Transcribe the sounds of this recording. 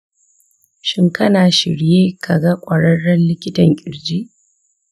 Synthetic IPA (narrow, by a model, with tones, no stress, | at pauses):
ʃɪ˦ŋkɐ˦naː˨ʃɪ˨ɾjeː˦kʰa˨ɡɐ˦kʷʼɐ˨ɽɐ˦ɽːɐ˦nlɪ˦kʲɪ˦tɐ˨ŋkʲʼɪ˨ɾd͡ʒiː˦ʔ